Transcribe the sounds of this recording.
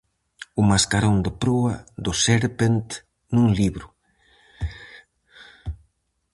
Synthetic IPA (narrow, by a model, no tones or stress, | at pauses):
umaskaɾond̪epɾoad̪ʊseɾpent̪ | nũŋliβɾʊ